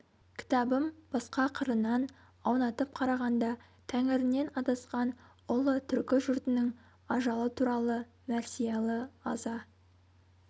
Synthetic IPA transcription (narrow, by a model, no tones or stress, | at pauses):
kʲʰɪ̥t̪ɑbəmb̥ɑsqɑqʰəɾənɑn | ɑwnɑt̪əp̚qʰɑɾɑʁɑnd̪ɑ | t̪ʰæŋɪɾɪne̞nɑt̪ɑsqɑn | ʊlˠət̪ʰʏɾkʲɪʒʊɾt̪ɪnɪŋ | ɑʒɑlˠət̪ʰuɾɑlˠə | mæɾsijɑlˠəɑzɑ